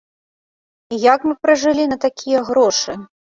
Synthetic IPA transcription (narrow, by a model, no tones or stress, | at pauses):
jakmɨpɾɐʐɨlʲinɐt̪akʲijɐɣɾɔʂɨ